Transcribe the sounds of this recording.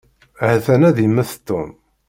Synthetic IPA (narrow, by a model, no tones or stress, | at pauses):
hθænæðimːæθt̪ːʊm